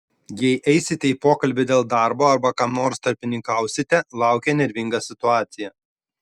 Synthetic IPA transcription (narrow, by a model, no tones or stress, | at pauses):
jɛɪʔɛɪsʲɪt̪ʲɛipoːkɐlʲbʲɪd̪ʲeːlˠd̪ɑɾboːɐɾbɐkɑːmnoːɾst̪ɐɾʲpʲɪnʲɪŋkɑˑʊsʲɪt̪ʲɛlˠɑˑʊkʲɛnʲɛɾʲʋʲɪŋɡɑːsʲɪt̪ʊɑːt̪sʲɪjɛ